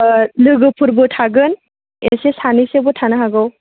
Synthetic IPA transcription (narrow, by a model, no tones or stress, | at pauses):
lɯɡɯpʰuɾbɯtʰaɡɯn | esesanisebɔtʰanaɦaɡɯw